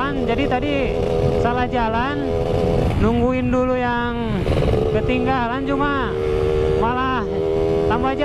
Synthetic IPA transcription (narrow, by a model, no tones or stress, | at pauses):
and͡ʒadit̪adi | salahd͡ʒalanː | uŋɡuinduluja | ŋ | kət̪iŋɡalant͡ʃuma | malah | t̪ambad͡ʒa